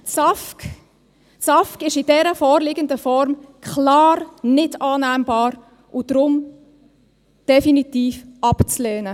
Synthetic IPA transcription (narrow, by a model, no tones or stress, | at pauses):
sɑfk | sɑfkɪʃɪd̥ɛɾəfɔːɾlɪɡəndəfɔɾmkʰχlɑːrnɪdɑːnæːmbɑːɾ | ʔʊd̥ɾʊm | d̥ɛfinit̪iːfɑpt͡slɛːnə